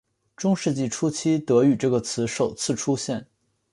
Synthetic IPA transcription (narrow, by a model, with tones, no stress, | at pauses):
ʈ͡ʂʊ˥ŋʂɻ̩˥˧t͡ɕi˥˩ʈ͡ʂʰu˥t͡ɕʰi˥t̪ɤ˧˥y˨˩ʈ͡ʂɤ˥˩ɡə˩t͡sʰɹ̩˧˥ʂo˨˩ʊt͡sʰɹ̩˥˩ʈ͡ʂʰu˥ɕjɛ˥˩n